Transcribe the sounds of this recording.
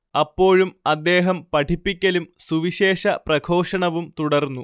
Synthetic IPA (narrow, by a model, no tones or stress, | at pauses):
ɐpːo̞ːɻumɐd̪ːe̞ːɦɐmpɐʈʰipːikʲːɐlumsuʋiɕe̞ːʂɐprɐɡʰo̞ːʂɐɳɐʋumt̪uɽɐrnːu